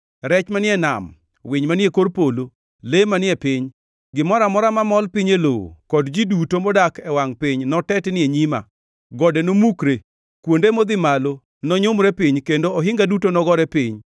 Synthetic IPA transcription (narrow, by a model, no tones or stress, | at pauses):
ɾɛt͡ʃmanɪɛna̰m | wɪɲmanɪekoɾpolo | lemanɪɛpɪɲ | ɡɪmɔɾamɔɾamamɔlpiɲeloo̰kɔdd͡ʒidutomɔdakɛwaŋpɪɲnɔtɛtnɪeɲima̰ | ɡɔdɛnomukɾe | kwondemod̪ɪmalo | nɔɲomɾɛpɪɲkendoɔɦɪŋɡadutonɔɡɔɾɛpɪɲ